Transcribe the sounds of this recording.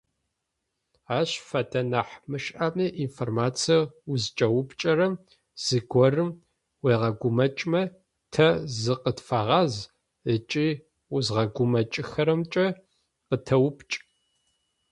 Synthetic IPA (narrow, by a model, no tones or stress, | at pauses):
aːɕfɐdʰɐnaħmɨʃʼʔamɨʔinformaːt͡sʰijɐuzt͡ʃʼɐwʊpʰʼt͡ʃʼɐɾɐm | z̥ɨɡʷɔrɨm | weːʁɐɡʷʊmɐt͡ʃʼmɐ | tʰɐzɨqətfaːʁɑz | ət͡ʃʼiː | ʊzʁɐɡʷʊmɐt͡ʃʼɪxɐɾɐmt͡ʃʼɐ | qətʰɐwʊpʰt͡ʃʼ